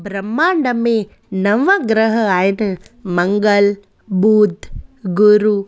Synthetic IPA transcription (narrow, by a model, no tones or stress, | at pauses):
bʱɾɐmːaːɳɖɐmẽ | nɐʋɐɡɾəɦəaːɦɪnmɐŋɡəl | buːd̪ʱɡuɾu